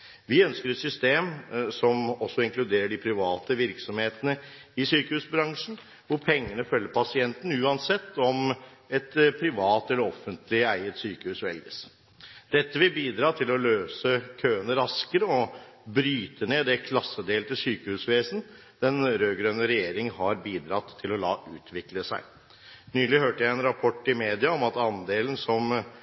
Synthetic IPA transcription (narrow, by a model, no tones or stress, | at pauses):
ʋɪœnskəɾɛt̪sʏst̪eːmsɔmɔsːɔɪŋklʉd̪eːɾəɖɪpʰɾɪʋɑːt̪əʋɪɾksɔmheːt̪ənəɪsyːkəhʉːsbɾɑŋʂn̩ | ʋʊɾpʰɛŋːənəfœlːəɾpʰɑsɪɛnt̪n̩ʉːɑnsɛt̪ʰːɔmɛt̪pʰɾɪʋɑːt̪ɛlːəɾɔfːənt̪lɪæɪət̪syːkəhʉːsʋɛ̰lɡəs | d̪̥ɛt̪ːəʋɪlbiːd̪ɾɑːt̪ʰɪlɔløːsəkʰøːənəɾɑskəɾəɔbɾyːt̪əɳeːd̪ɛkʰlɑsːəd̪eːlt̪ʰɪsyːkəhʉːsʋeːsn̩ | d̪̥ɛnɾøːɡɾœnːəɾɛjeːɾɪŋhɑɾbiːd̪ɾɑt̪ʰːɪlɔlɑ̰ːʔʉːt̪ʰʋɪkləsæ̰ɪ | nyːlɪhøːʈəjæɪɛnɾɑpʰɔʈːɪmeːd̪ɪɑɔmɑt̪ɑnd̪eːlən̩sɔm